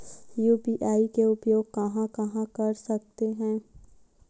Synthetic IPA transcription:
juːbiʔaːikeʊpjoːɡ̚kɐɦãkɐɦãkɐɾsɐk̚t̪eɦɛ̃ː

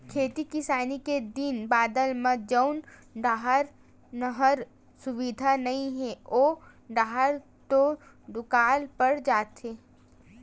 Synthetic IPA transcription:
kʰeːt̪ikɪsaːniked̪ɪnbaːd̪əlmə̃d͡ʒəʊnɖaːɦəɾ | nəɦəɾ | sʊʋid̪ʱanɐɦĩɦɛoː | ɖaːɦəɾ | t̪o | ɖʊkaːlpəɽd͡ʒaːt̪ɦeː

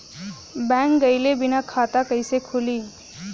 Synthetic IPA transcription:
bɛ̃ŋkɡəjlebinakʰat̪akəjsekʰuliː

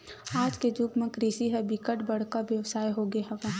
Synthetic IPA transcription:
aːd͡ʒked͡ʒʊbmẽkɾiːsiɦɛ̃bɪkəʈbɐɽ̤kaʋjɐʋsaːjɦoɡeɦɛ̃ʋɐ̃ɦ

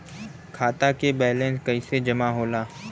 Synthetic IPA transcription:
kʰaːt̪akebɛːlẽːnskɐised͡ʒɐmaɦoːlaː

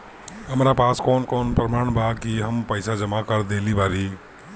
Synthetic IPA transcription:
ɦəmɾapaskɔnkoːnpɾəmaːɳbakiɦəmpəɪsad͡ʒəmakəɾd̪elibaɾi

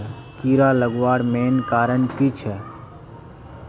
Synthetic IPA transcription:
kiːɾaːləɡʋaːɽmeːnkaːɾənkiːt͡ʃʰɛː

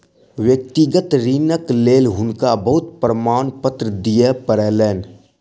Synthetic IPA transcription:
wjəkt̪ɪɡət̪ɾiːnəkleːlɦʊnkabəɦʊt̪pɾəmaːnpət̪ɾəd̪ijepəɾɛːleːn

